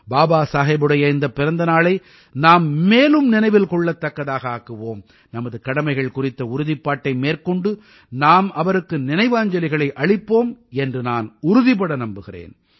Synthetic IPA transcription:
baːbaːsaːɣɐːbɯɽɐjɐɪnd̪ɐpːɪɾɐnd̪ɐnaːɭɐɪ | naːmːeːlɯmnɪnɐɪʋɪlkɔɭːɐt̪ːɐkːɐðaːɣɐaːkɯʋoːm | nɐmɐðɯkɐɽɐmɐɪɣɐɭkʊrɪt̪ːɐʊɾʊðɪpːaːʈːɐɪmeːrkɔɳɖɯ | naːmɐʋɐɾɯkːɯnɪnɐɪʋaːɲd͡ʒɐlɪɣɐɭɐɪʔɐɭɪpːoːmɛndrɯnaːnʊɾʊðɪpɐɽɐnɐmbɯɣɪrḛːn

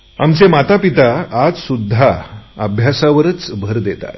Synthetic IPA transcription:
amt͡semat̪apit̪aːd͡zsud̪ʱːaəbʱjasaʋəɾət͡sbʱəɾd̪et̪a̰t̪

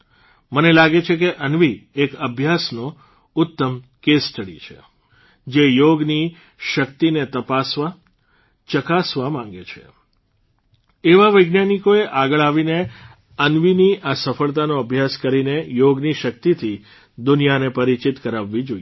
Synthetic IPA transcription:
mənelaɡet͡ʃʰekeʔənʋiekəbʱjasno | ʊt̪ːəmkest̪ʰəɽḭt͡ʃʰḛ | d͡ʒejoɡni | ʃək̚t̪inet̪əpasʋa | t͡ʃəkasʋamãŋɡet͡ʃʰḛ | eʋaʋəjɡnjanikoeʔaɡəɭaʋine | ənʋiniʔasəfəɭt̪anoəbʱjaskəɾinejoɡniʃək̚t̪it̪ʰi | d̪ʊnijanepəɾit͡ʃit̪kəɾaʋːid͡ʒoi

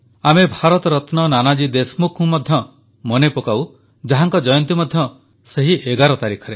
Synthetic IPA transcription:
amebʱaɾɔt̪ɔɾɔt̪nɔnanad͡ʒid̪esmukʰũmɔd̪ʱjɔ | mɔnepokaw | d͡ʒaɦaŋkɔd͡ʒɔjɔnt̪imɔd̪ʱjɔ | seɦiʔeɡaɾɔt̪aɾikʰɔɾe

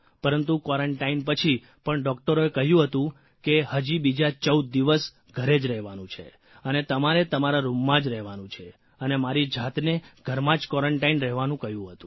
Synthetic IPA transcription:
pəɾənt̪̬ukɔɾəɳʈainpət͡ʃʰi | pəɳɖɔk̚ʈəɾoekəɦjũɦət̪ũ | kehəd͡ʒibid͡ʒat͡ʃəud̪̚ːiʋəs | ɡʱəɾed͡ʒɾɛɦʋanũt͡ʃʰḛ | ənet̪əmaɾet̪əmaɾaɾumːãd͡ʒɾɛɦʋanũt͡ʃʰe | ənemaɾid͡ʒat̪neɡʱəɾmãd͡ʒkɔɾəɳʈainɾɛɦʋanũkəɦjũɦət̪ũ

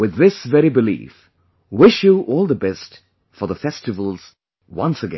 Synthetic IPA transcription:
wɨðɪsvɛɹibɨlḭf | wɪʃəʔɔlˠðəbɛst | fə˞ðəfɛstɨvəl̩ˠz̥ | wʌ̰̃nsɨɡɛ̰̃

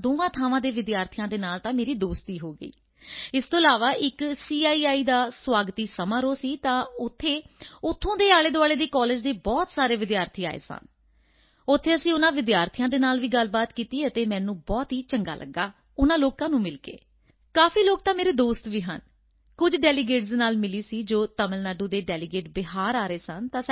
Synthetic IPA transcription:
d̪oːʋãːt̪ʰaːʋãːd̪eːʋɪd̪jaːɾt̪ʰijãːd̪eːnaːlt̪ãːmeːɾiːd̪oːst̪iːɦoːɡə̰ḭː | ɪst̪õːəlaːʋaːʔɪksiːaːiːaːiːd̪aːswaːɡt̪iːsəmãːɾoːsiːt̪ãːʊt̪ʰːeːʊt̪ʰːõːd̪eːaːɭeːd̪oʊaːɭeːd̪eːkɔːleːd͡ʒd̪eːbɔːt̪saːɾeːʋɪd̪jaːɾt̪ʰiːa̰ːḛːsã̰ːn | ʊt̪ʰːeːəsĩːʊnãːʋɪd̪jaːɾt̪ʰijãːd̪eːnaːlʋiːɡəlbaːt̪kiːt̪iːət̪eːmɛ̃ːnũːbɔːt̪ɦiːt͡ʃəŋɡa̰ːlʔə̰ɡːaː | ʊnãːloːkãːnũːmɪlkḛː | kaːfʰiːloːk̚t̪ãːmeːɾeːd̪oːst̪ʋiːɦə̰n | kʊd͡ʒɖɛːliɡeːʈsd̪eːnaːlmɪliːsiːd͡ʒoːt̪əməlnaːɖuːd̪eːɖɛːlɪɡeːʈbɪɦaːɾaːɾeːsənt̪ãː

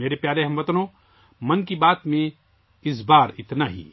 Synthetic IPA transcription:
meːɾepjaːleɦɐ̃mʋɐt̪nõː | mɐnkibaːt̪mẽ | ɪsbaːɾɪt̪naɦḭː

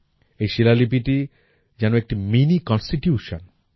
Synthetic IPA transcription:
ejʃilalip̬iʈi | d͡ʑanoek̚ʈiminikɔnsʈiʈjuʃon

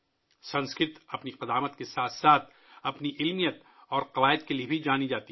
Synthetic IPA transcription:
sɐ̃nskɪt̪ɐpniqɐd̪aːmət̪kesaːt̪ʰsaːt̪ʰ | ɐpniʔɪlmijət̪ | ɔːɾqɐʋaːɪəd̪keliebʱid͡ʒaːnid͡ʒaːt̪i

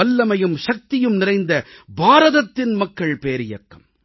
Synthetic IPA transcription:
ɐlːɐmɐjɯmʃɐk̚t̪ɪjɯmnɪrɐɪnd̪ɐbaːɾɐðɐt̪ːɪnmɐkːɐɭpeːɾɪjɐ̰kːɐm

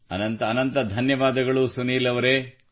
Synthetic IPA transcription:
ɐ̰nɐnt̪ɐɐnɐnt̪ɐd̪ʱɐnjɐʋaːd̪ɐɡɐɭusuniːlɐʋɐɾeː

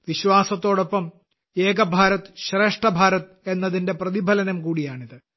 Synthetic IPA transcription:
ʋiɕwaːsɐt̪ːo̞ːɽo̞pːɐm | e̞ːɡɐbʱaːɾɐt̪ːɨ̥ɕre̞ːʂʈɐbʱaːɾɐt̪ːɨe̞nːɐðinde̞prɐðibʱɐlɐnɐmkuːɽijaːɳiðɨ

